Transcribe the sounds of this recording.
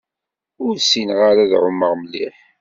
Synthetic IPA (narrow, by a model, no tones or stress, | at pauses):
ʊɾsinʁaɾaðʕʊmːəʁməlːiħ